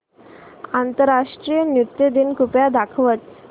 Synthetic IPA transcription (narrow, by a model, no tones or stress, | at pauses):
ant̪əɾːaʂʈɾijənut̪jəd̪inkupjad̪akʰʋət̪̚